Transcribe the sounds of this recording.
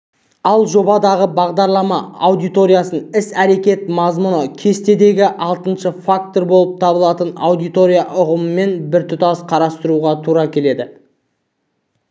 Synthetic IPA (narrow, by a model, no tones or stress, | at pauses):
ɑlˠʒo̞bɑd̪ɑʁəbɑʁd̪ɑɾlˠɑmɑ̰ːwd̪ijt̪o̞ɾʲijasənɪsæɾe̞kʲe̞t̪mɑzmʊnəkʲʰe̞st̪e̞d̪e̞ɡʲɪʔɑlˠt̪ənʃəfak̚t̪o̞ɾbolˠəp̚t̪ʰɑbəlˠɑt̪əna̰wd̪ijt̪o̞ɾʲijaʔʊʁəməːe̞nbɪɾt̪ʰʊt̪ɑsqʰɑɾɑst̪əɾuʁɑt̪ʰuɾɑkʲʰe̞le̞d̪ɪ